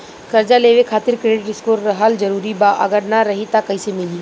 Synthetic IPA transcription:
kɐɾd͡ʒaleːʋekʰaːt̪ɪɾkɾeːɖɪʈɪskoːɾːɐɦəld͡ʒɐɾuːɾibaʔɐ̰ɡəɾnaɾɐɦit̪akɐisemɪliː

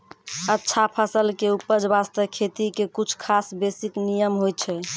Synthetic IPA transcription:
ətːʃʰapʰəsəlkeupːəd͡ʒbast̪əkʰet̪ikekut͡ʃʰkʰasbesiknijəmɦojt͡ʃʰɛ

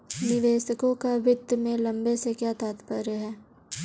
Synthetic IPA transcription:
nɪʋeːsəkõkaʋɪd̪əmẽlɐ̃mbesekjaːt̪aːt̪pəɾəɦɛː

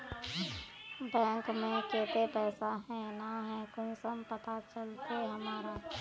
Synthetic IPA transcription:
bɛ̃ːŋkmẽkeːt̪epɛːsaɦɛ̃naɦɛ̃kʊnsəmpɐt̪at͡ʃəlt̪eɦɐmaːɾa

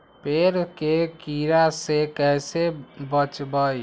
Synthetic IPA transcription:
peɾkekiɾasekɛjsebət͡ʃbəj

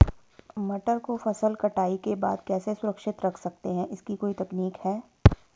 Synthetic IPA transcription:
mɐʈəɾkofɐsəlkɐʈaːikeba̰ːd̪kɛːsesʊɾəkʃɪt̪ɾɐkʰsɐk̚t̪eɦɛ̃ʔɪskikoːit̪ɛkniːkhɛː

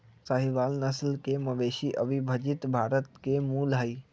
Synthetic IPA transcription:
səɦiʋaːlnəslkemɐʋeːʃiʔəbʱibʱəd͡ʒɪt̪bʱaːɾət̪kemuːlɦəiː

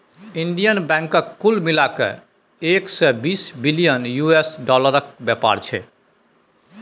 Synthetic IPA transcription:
inɖijənbɛ̃ŋkəkːulmilakḛ | eksɛbisbilijənjuesɖɔləɾək̚bjɛpa̰ɾt͡ʃʰɛ̰

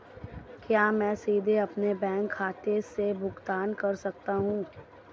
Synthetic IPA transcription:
kjaːmɛ̃ːsiːd̪ʱeɐpnebɛ̃ːŋkʰːaːt̪eɾsebʱʊɡt̪aːnkɐɾsɐk̚t̪aɦũː

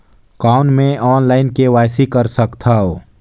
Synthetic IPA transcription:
kaːʊnmẽʔɔːnlaːɪnkewaːjsikəɾsəkt̪ʰaoː

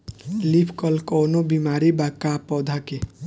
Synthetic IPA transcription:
lipʰkɔlkɔːnobimaːɾibakaːpɔːd̪ʱake

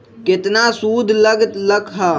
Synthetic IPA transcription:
kɪt̪nasuːd̪ʱləɡt̪ləkʰɦaː

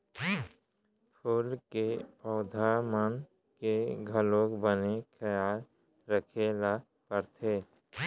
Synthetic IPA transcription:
pʰuːlkepɔːd̪ʱamən | keɡʱəlõkbənekʰəjaːl | ɾəkʰela | pəɾt̪ʰeː

